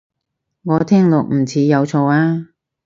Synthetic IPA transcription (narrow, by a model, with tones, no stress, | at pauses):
ŋɔː˨˧t̪ʰɛː˥ŋlʊ˨k̚m̩˨˩t͡sʰiː˨˧jɐ˨˧wt͡sʰo˧waː˥